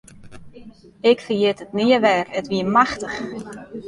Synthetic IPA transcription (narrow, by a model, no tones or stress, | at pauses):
ɪkfəjɪtətniəʋɛːrətʋiəmaxtəx